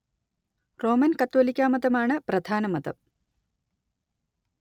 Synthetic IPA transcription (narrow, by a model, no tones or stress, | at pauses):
roːmɐnkɐt̪ːʋɐlikʲːaːmɐd̪ɐmaːɳɨprɐd̪ʱaːnɐmɐd̪ɐ̰m